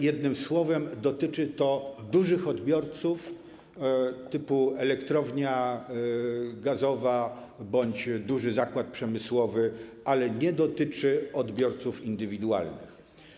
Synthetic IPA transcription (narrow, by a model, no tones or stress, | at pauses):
jɛd̪̚nɘmswɔvɛmd̪ɔt̪ɘt͡ʂɘt̪ɔd̪uʐɘxɔd̪bʲjɔɾt̪suf | t̪ɘpuɛlɛkt̪ɾɔvɲa | ɡazɔva | bɔɲd͡ʑd̪uʐɘzakwat̪̚pʂɛmɘswɔvɘ | alɛɲɛd̪ɔt̪ɘt͡ʂɘɔd̪bʲjɔɾt̪sufind̪ɘvʲid̪ua̰lnɘ̰x